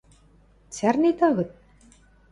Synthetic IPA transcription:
t͡særnit̪ɑɣɤ̆t̪̚

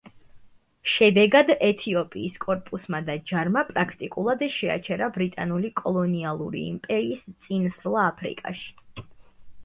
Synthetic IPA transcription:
ʃɛd̪ɛɡad̪ɛt̪ʰiɔpʼiːskʼɔɾpʼusmad̪ad͡ʒaɾmapʼɾakʰt̪ʼikʼulˠad̪ɛʃɛa̰t͡ʃʰɛɾabɾit̪ʼanulikʼɔlˠɔnialˠṵɾḭːmpʼɛɾiːst̪sʼinsɾlˠaːpʰɾḭkʼa̰ʃi̥

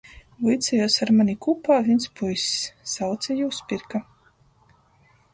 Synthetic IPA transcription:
vujt̪sɛjɔːsaɾmanʲikupaːvʲinspujsʲsawt̪sɛjuːspʲiɾka

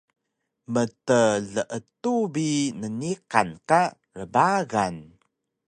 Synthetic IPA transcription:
mətəɮəʔətubinəniqa̰nka | ɾəbaɣan

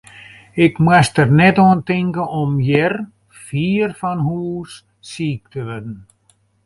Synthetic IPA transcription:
ɪkmwastərnɛtoəntɪŋkəɔmjɛr | fiːrfɔnɦuːsː | iːk̚tʰəʋødn̩

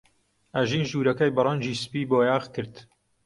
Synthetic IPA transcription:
ʔɐʒiːnʒuːɾɐkɐjbɨrˤɐnd͡ʒiːsɨ̥piːboːjaːɣkʰɨɾd̪

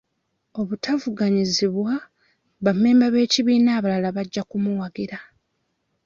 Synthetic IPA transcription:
o̞βutavuɡaɲiziβwa | βame̞ːmbaβe̞ːciβiːnaːβalalaβaɟːakumuwaɡiɾa

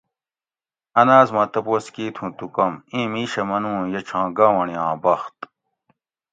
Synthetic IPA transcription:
ɐnaːzmɐt̪ɐpoːskiːt̪ʰũːt̪ukɐmĩːmiːɕɐmɐnũːjɐt͡ɕʰãːɡaːwɐɳijãːbɐxt̪

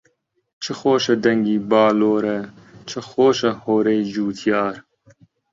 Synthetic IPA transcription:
t͡ʃʰɨxoːʃɐd̪ɐŋɡiːbɑːloːɾɐ | t͡ʃʰɨxoːʃɐhoːɾɐjd͡ʒuːt̪ʰjɑːɾ

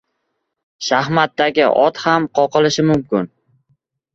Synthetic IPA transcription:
ʃahmat̪ːaɡʲɪ̰ʔɒt̪hamqʰɒqɨlɪʃɪmʊmkʲɪn

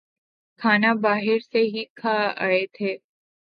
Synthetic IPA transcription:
kʰaːnabaːɦɪɾseɦikʰaa̰et̪ʰeː

